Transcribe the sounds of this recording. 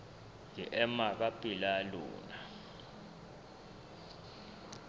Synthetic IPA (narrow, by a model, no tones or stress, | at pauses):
ŋiʔɛmak̬apʼilalṵːna